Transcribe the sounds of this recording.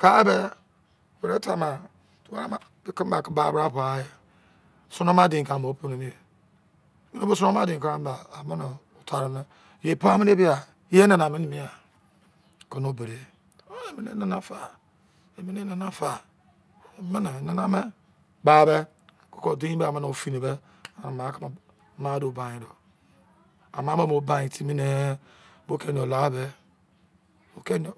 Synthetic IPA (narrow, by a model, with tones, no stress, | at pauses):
ka˦be˦˨ | be˨ɾe˦ta˨ma˨ | tu˨wa˦ɾa˦ma˨˦ | ki˦m˦ba˨ki˦ba˨˦bɾa˦˨pa˨˦je˨ | su˦no˦ma˦dĩ˨ka˨mo˨˦po˦ne˨ni˦e˨˦ | ɲi˦no˦bo˦s̬u˦o˦ma˦dĩ˨ŋ˨kɾa˦m˦baː˨mi˦n˨ | o˨tʰa˨ɾi˨n˦ | je˨po˦a˦mi˦ne˦bi˦a˨˦ | e˦na˨n˨a˨me˦ni˨mi˦a˨ | ko˨no˦be˨ɾe˨ | o˦e˨mi˨nḛ˦na˦na˦fa˨ | e˨mi˦ne˦na˨na˦fa˨ | me˦ne˨na˨na˦me˦ | ba˨be˦ | ko̥˦ko˦˨di˦i˦be˦a˨me˦no˨fi˦ne˨be˦ | a˨na˨ma˨˦ka˦ma˨ | ma˦do˨ba˨ji˨˦ɾo˨ | a˨ma˨˦me˦mo˨˦ba˨ji˨ti˦mi˦ne˦ | bo˦ke˦n˨o˨la˨˦be˦ | o˨ke˦n˨